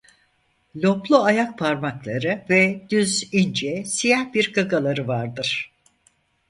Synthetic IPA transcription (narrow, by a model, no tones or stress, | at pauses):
lʲoplˠuajak̚pʰaɾmaklˠaɾɯvɛd̪yzind͡ʒɛsijahbiɾɡaɡalˠaɾɯvaɾd̪ɯɾ̝̥